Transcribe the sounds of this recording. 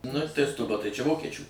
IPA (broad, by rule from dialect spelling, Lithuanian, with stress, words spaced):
ˈnʊ tɐɪ stʊˈbɐ tɐɪ t͡ʃʲɛ ˈʋoːkʲɛt͡ʃʲuː